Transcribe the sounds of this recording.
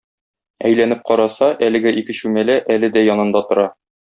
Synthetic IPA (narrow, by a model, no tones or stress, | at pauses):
æjlænɘp̚qɒɾɑsɑʔælɘ̆ɡɘʔikɘ̆ɕʉmælæʔælɘd̪æjɒnɤ̆nd̪ɑt̪ŏɾɑ